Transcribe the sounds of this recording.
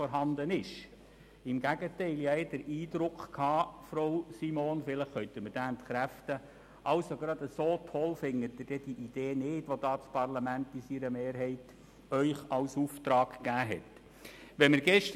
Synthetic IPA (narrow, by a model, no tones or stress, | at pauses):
ɔɾɦɑnd̪ənɪʃ | ɪmɡ̥æɡətɛɪljɛɪd̥əɾʔiːd̪ɾʊkχkʰhɑːfɾoʊsimonfɪləχːœʏt̪əməɾd̥æːnt̪χɾæft̪ə | ʔɑʊsoɡɾɑd̪əsoːtʰɔlfɪŋːətdɪd̥ɛd̥iʔid̥̪eːnɪːdʋod̪ɑːt͡spʰɑrlɑmæntisiɾəmeːɾɦɛɪt | œʏχɑwsuftɾɑːɡɡ̥æːɦɛt | ʋɛməɾɡɛʃt